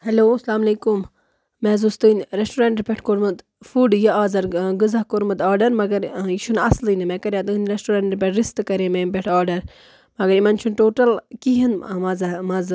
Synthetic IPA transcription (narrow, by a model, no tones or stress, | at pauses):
hɐloːslaːmɐleːkumː | mɛ̃ːzust̪ɨnʲɾesʈuːɾeɳʈɾpʲeʈʰkoɾmɐd̪ | fuːɖjɐaːzɐɾɡɨzaɦkoɾmɐd̪aːɾɖɐɾmɐɡɐɾit͡ʃʰunɐslinɨmɛ̃ːkɐɾʲjãːt̪ɨnʲɾesʈuːɾɐːɳʈɾpʲeʈʰɾist̪kɐɾemempeʈʰaːɾɖɐɾ | mɐɡɐɾimɐnt͡ʃʰunʈoːʈɐlkiɦinmɐzmɐz